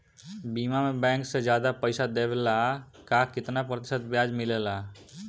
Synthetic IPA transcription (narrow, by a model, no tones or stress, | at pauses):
biːmamẽbɛ̃ːŋksed͡ʒjaːd̪apəɪsad̪eːbela | kaːkɪt̪napɾət̪ɪsət̪bjaːd͡ʒmɪlela